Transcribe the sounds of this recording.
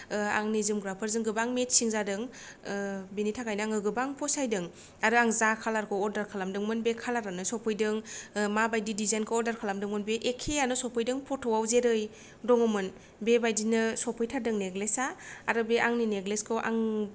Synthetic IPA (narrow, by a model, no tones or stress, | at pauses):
a̰ŋnizɯmɡɾapʰaɾzɯŋɡɯbaŋmet̚siŋzadɯŋ | benitʰakʰajnɯaŋɯɡɯbaŋpʰɔsajdɯŋ | aɾɯaŋzakʰalaɾkʰɯɔɾdaɾkʰalamdɯŋmɯnbekʰalaɾanɯsɔpʰɯjdɯŋmabajdidizajnkʰɯɔɾdaɾkʰalamdɯŋmɯnbeʔekʰeanɯsɔpʰɯjdɯŋpʰɔtʰɔwawzeɾɯj | dɔŋɯmɯn | bebajdinɯsɔpʰɯjtʰadɯŋneɡlesaːɾɯbeʔaŋnineɡleskʰɯʔa̰ŋ